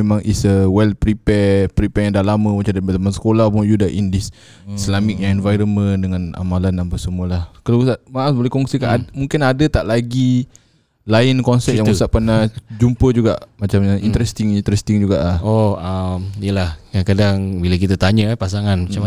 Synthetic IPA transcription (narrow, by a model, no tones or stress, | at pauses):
emãŋʔḭsəwɛlpɾipɛpɾipɛjaŋdalamə̃mat͡ʃadapət̪amansə̥kolahpʊŋjudaʔindis | islamik̚jãŋɛnvajɾəməndəŋãna̰malanampasəmuəlahkalausaʔmaʔasbolɛhkɔŋsikaʔamũŋkinadət̪aʔlaɡi | lainkɔnsɛp̚jaŋusaʔpənad͡ʒumpəd͡ʒuɡaʔmat͡ʃamḭnt̪əɾɛst̪iŋint̪ɾɛst̪iŋd͡ʒuɡaʔlahoamijəlahjankadaŋbilak̬it̪at̪aɲəpas̬aŋanmat͡ʃam